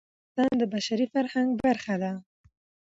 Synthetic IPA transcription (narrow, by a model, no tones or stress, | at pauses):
t̪ɑnd̪əbaʃaɾifaɾhaŋɡ̚baɾxad̪a